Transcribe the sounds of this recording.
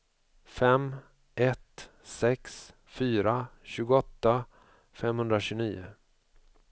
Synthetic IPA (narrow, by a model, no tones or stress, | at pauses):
fɛm | ʔɛt̪ | sɛks | fyːɾaɕʉ̟ːɡʊɔt̪ːa | fɛmhɵnd̪ɾaɕɵniːʊ̰